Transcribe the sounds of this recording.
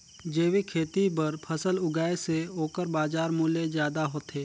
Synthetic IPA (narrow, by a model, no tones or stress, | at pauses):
d͡ʒeːʋikʰeːt̪ibɐɾpʰəsəlʊɡaːeseoːkəɾbaːd͡ʒaːɾmʊːlezjaːd̪aɦoːt̪eː